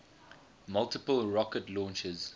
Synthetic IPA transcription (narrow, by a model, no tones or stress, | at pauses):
mʌlˠtɪpəlɹɔkətlɔ̃ːnt͡ʃəz̥